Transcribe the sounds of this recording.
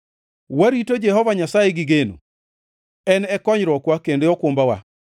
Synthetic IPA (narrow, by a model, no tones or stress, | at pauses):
waɾitod͡ʒɛhɔvaɲasajeɡɪɡeno̰ | ɛnɛkɔɲɾɔkwakendeɔkwombawa̰